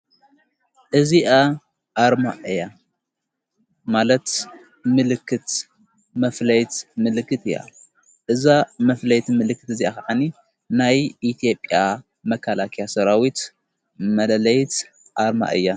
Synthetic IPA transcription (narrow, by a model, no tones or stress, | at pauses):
ʔɨziʔa | ʔaɾma̰ʔɨja | malɐt̪ | mɨlɨkʰːɨt̪ | mɐflɐjt̪mɨlɨkːɨt̪ɨja̰ | ʔɨzamɐflɐjt̪mɨlɨkːɨt̪ɨziakʰaʕani | najʔit̪ʰijo̞pʼja | mɐkʰalakʰijasɐɾawit̪ | mɐlɐlɐjt̪ | ʔaɾma̰ʔɨ̰jːa